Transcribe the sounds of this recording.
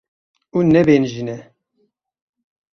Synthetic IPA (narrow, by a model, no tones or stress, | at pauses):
unɛbeːnʒinɛ